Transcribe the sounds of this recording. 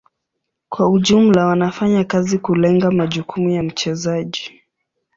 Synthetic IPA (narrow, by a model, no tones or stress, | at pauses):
kwauʄum̩lawanafaɲakazikulɛŋɡamaʄukʰumujam̩t͡ʃɛzaʄi